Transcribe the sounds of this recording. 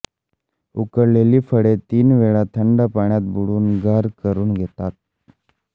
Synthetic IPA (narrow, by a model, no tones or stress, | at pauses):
ukəɾleliːfʰəɽet̪iːnʋeɭat̪ʰəɳɖapaɳjat̪̚buɽuːnɡʱəɾkəɾuːnɡʱet̪at̪̚